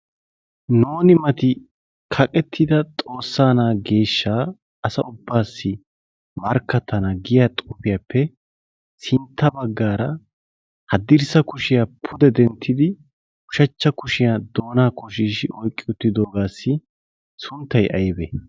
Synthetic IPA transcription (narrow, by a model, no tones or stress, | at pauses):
noːnɪmɐt̪ɪ | kʰɐkʼɛt̪ʰːɪd̪ɐt̪ʼo̞ːsːaːnaːɡe̞ːʃːaː | ɐsɐʔʊbːaːsːɪ | mɐɾkːɐt̪ʰːɐnɐɡɪjaːt̪ʼʊfɪjaːpːɛ | sɪnt̪ʰːɐbɐɡːaːɾɐ | hɐd̪ɪɾsɐkʊʃɪjaːpʰʊd̪ɛd̪ɛnt̪ʰːɪd̪ɪ | kʊ̥ʃɐt͡ʃːɐkʊʃɪjad̪o̞ːnaːkɔʃiːʃɪʔɔjkʼːɪʊt̪ːɪd̪o̞ːɡaːsːɪ | sʊnt̪ːɐjʔɐjbɛ